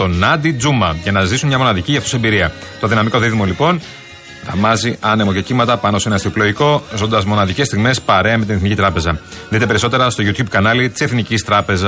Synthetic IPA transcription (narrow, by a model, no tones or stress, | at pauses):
t̪o̞nɐd̪id͡zumɐʝɐnɐzisunmɲɐmo̞nɐðiciʝɐft̪osembiɾiɐt̪oðinɐmiko̞ðiðmo̞lipo̞n | ɾɐ̰mɐziɐnemo̞ce̞cimɐt̪ɐpɐno̞senɐst̪iploiko̞zo̞nd̪ɐzmo̞nɐðice̞st̪iɣme̞spɐɾe̞ɐmet̪ine̞θnicit̪ɾɐpe̞zɐðit̪e̞pe̞ɾiso̞t̪e̞ɾɐst̪oʝut̪çub̚kɐnɐlit̪i̥se̞θnicist̪ɾɐpe̞zɐ